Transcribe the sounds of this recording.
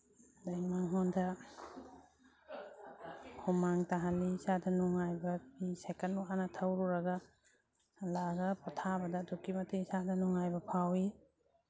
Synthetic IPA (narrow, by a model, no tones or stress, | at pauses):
dajmaŋɦɔndʰɐ | humaŋtaɦalisadɐnɔŋajbɐpisekanuanatʰawɾuɾaɡa | laɡɐpɔtʰabɐdɐdukimɐtesadɐnɔŋajbɐpʰawi